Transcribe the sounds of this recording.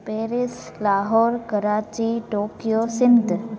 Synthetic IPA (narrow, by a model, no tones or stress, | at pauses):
peːɾɪs | laːɦoːɾkəɾaːt͡ʃiʈoːkijoːsɪnd̪